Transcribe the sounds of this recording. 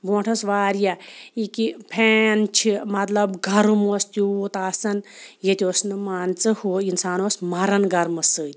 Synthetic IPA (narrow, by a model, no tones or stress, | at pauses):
boːʈʰɐsʋaːɾjaikipʰeːnt͡ʃʰimɐt̪lɐbɡʱɐɾumost̪uut̪aːsɐnjet̪ʲoːsnɨmaːnt͡sɨhuinsaːnoːsmɐɾɐnɡɐɾmɐsɨːt̪ʲ